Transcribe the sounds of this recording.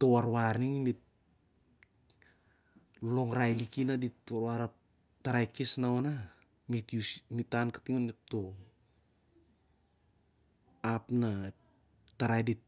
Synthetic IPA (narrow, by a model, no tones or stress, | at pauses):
towaɾwaɾniŋmit̚ | lo̞ŋɾajlikinaditwaɾwaɾa | taɾajkisnaona | mitusmitankḁtiŋonmip̚to | apna | taɾajdit̚